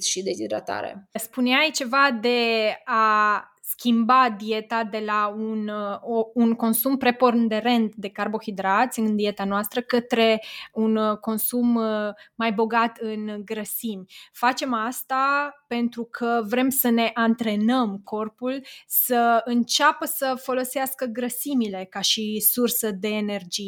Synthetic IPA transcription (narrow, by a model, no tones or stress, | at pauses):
ʃid̪ehid̪ɾa̰t̪a̰ɾḛspuneajt͡ʃe̞vad̪e̞a | skʲimbad̪ie̞t̪ad̪e̞launounko̞nsumpɾe̞po̞rnd̪e̞ɾe̞nt̪d̪e̞karbo̞xid̪ɾat̪sʲɨnd̪ie̞t̪anoast̪ɾəkət̪ɾe̞unko̞nsumː | ajbo̞ɡat̪ɨnɡɾəsimfat͡ʃe̞mast̪ape̞nt̪ɾukʰəvɾe̞msəne̞ʔant̪ɾe̞nəmkʰo̞rpulsəɨnt͡ʃapəsəfo̞lo̞seaskəɡɾəsimile̞kaʃisursəd̪e̞ːne̞rd͡ʒij